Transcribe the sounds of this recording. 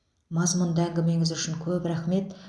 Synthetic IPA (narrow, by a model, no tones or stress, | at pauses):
mɑzmʊnd̪əæŋɡʲɪme̞ŋɪzʏʃɪŋkʲʰɵpɾæχme̞t̪